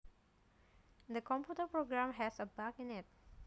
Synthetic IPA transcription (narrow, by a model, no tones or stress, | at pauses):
d̪əkɔ̃mpjutəpɹoɡɾãmɦɛsəbakɪ̃nɪt̚